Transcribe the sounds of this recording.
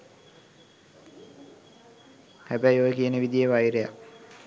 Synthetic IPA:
hæbæjoʋəkiənəʋid̪ijeʋajɾeja̰

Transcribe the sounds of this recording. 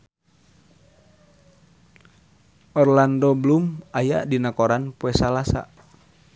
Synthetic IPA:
ʔɔrlandɔblumajaʔdinakoɾanpuɛsalasa̰

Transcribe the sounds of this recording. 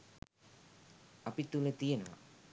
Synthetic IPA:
apit̪ulət̪ijenuʋa̰

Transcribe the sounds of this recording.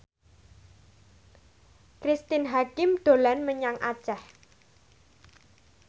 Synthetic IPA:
kɾist̪ɪnɦakɪmd̪̥o̤lanməɲaŋʔa̰̥t͡ʃah

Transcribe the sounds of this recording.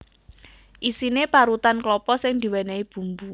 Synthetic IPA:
ʔisinepaɾut̪anklɔpɔsɪŋd̪̥i̤wenaib̥ṳmbu

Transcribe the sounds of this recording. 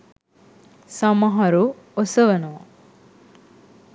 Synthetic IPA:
sɐmɐɦɐɾu | osəʋɐnu

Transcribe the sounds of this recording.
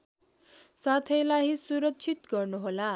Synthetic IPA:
sat̪ʰʌjlaɦisuɾʌkt͡sʰit̪ɡʌrnuɦola

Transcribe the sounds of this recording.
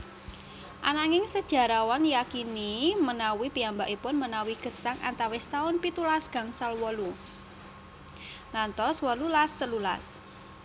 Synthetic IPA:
ʔanaŋɪŋsəd̥ʒ̥a̤ɾawanjakinimənawipiambaʔipʊnmənawiɡ̥ə̤saŋa̰nt̪awɛst̪aʊnpit̪ulasɡ̥a̤ŋsalwɔlu | ŋant̪ɔswɔlulast̪əlula̰s

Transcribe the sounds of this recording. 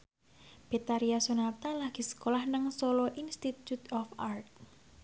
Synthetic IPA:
b̥e̤t̪aɾiasonat̪alahɡ̥i̤sə̥kolahnəŋsoloʔinst̪it̪jut̪ɔfart̪̚

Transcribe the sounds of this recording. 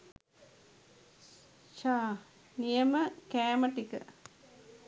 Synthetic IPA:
ʃaː | nijəməkæːməʈikə̰

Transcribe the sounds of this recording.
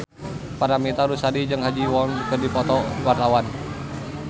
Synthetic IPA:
paɾamit̪aɾusadid͡ʒɨŋɦad͡ʒiwɔnkɨrdipɔt̪ɔwart̪awan

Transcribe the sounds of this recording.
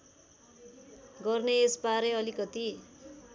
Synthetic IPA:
ɡʌrneːspaɾeʌlikʌt̪i

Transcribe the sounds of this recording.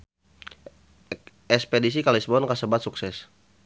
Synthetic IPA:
ɛspedisikalisbɔnkasəbat̪suksɛs

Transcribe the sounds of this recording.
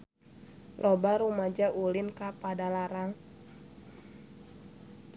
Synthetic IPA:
lʔɔbaɾumad͡ʒaʔulɪnkapadalaɾaŋ

